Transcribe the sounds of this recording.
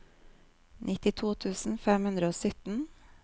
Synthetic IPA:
nʔɪt̪ɪt̪ʰuːt̪ʰʉːsn̩fɛmhʉnd̪ɾəoːsʏt̪n̩

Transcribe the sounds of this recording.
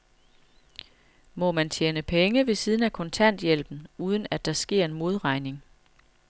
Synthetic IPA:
mɒ̽mænt͡ɕʰjeːnəpʰeŋəʋe̝siːð̞ˠn̩ækʰɔ̽nt͡sʰæn̰d̥jel̰b̥n̩uːð̞ˠn̩æd̥ɑ̈sɡ̥e̝ɐ̰e̝nmo̝ð̞ˠʁɑ̈ɪne̝ŋ

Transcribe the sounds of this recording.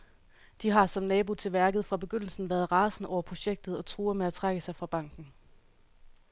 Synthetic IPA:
d̥iɦɑ̈sɒ̽mnɛːbo̝t͡sʰe̝lʋæɐɡ̥ð̩ˠfʁɑ̈b̥e̝ɡ̥øn̰l̩sn̩ʋæːɐð̞ˠʁɑ̈ːsn̩ɒʊɐpʰʁo̝ɕeɡ̥̚d̥ð̞̩ˠɒ̽t͡sʰʁuːɐmeæt͡sʰʁɑɡ̥əsɑ̈ɪfʁɑ̈b̥ɑ̈ŋ̰ɡ̥n̩

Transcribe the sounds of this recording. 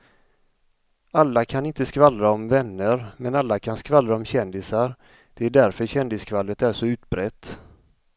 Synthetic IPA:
alːakʰanɪnt̪əskvalɾaɔmvɛnːəɾmɛnalːakʰanskvalɾaɔmɕɛnd̪ɪsaɾ | d̪̥ɛæɖæɾfœɾɕɛnd̪ɪskʰvalːət̪æʂɔʉ̟ːt̪bɾɛt̪ː

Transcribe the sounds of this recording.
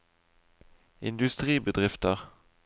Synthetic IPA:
ɪ̰nd̪ʉst̪ʁiːbəd̪ʁɪft̪əʁ

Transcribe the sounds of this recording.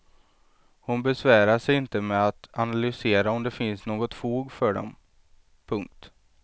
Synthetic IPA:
hʊnbɛsvæːɾaʂɛjɪnt̪əmɛat̪analʏseːɾaɔmd̪ɛfɪnsnoːɡɔt̪fuːɡfœɖɔ̰m | pʰɵŋk̚t̪

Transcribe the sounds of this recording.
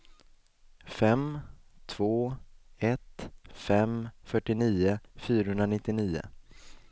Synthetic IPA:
fɛmt̪ʰvoːɛt̪fɛmfœʈːɪniːəfyːɾahɵnd̪ɾanɪt̪ːɪniːʊ̰

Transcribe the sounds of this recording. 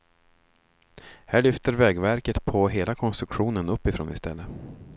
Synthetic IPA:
hæːɭʏft̪əɾvɛːɡvæɾkət̪pʰɔɦeːlakʰɔnst̪ɾɵkɧuːnənɵpːɪfɾo̰ːnɪ̰st̪ɛ̰lːə

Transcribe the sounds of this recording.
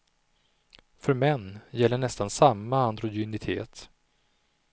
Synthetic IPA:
fœɾmɛnːjɛlːəɳɛst̪ansamːaand̪ɾʊjʏnɪt̪ʰḛːt̪

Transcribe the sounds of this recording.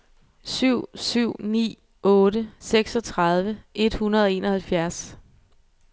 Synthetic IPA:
syʊ̰syʊ̰nḭː | ʔɔ̽ːɾəseɡ̥sɒ̽t͡sʰʁɑð̞ˠʋəʔe̝d̥hunɐð̞ˠɒe̝ːnɒ̽hælfjæɐs

